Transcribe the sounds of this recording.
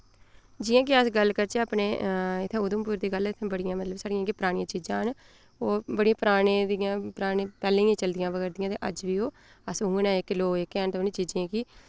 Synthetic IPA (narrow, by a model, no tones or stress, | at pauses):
d͡ʒɪjãːkɪəsɡəlkəɾt͡ʃaːpneːɪt̪ʰːẽːʊd̪ʊmpʊːɾd̪iːɡəlɪt̪ʰːẽːbəɽɪjãːmət̪ləbsaːɽɪjãːkepəɾaːɽ̃ɪjãːt͡ʃiːd͡ʒãːɦən | oːbəɽiːãːpɾaːɳẽːd̪ɪjãːpəɾaːɽẽːpɛːlẽĩːãːt͡ʃəld̪ɪjãːʋəɡɛːɾd̪ɪjãːt̪eːʔə̰d͡ʒʋiːoː | əsũːnɛ̃ːɪkloːɪkɛːnt̪onĩːt͡ʃiːd͡ʒẽːkiː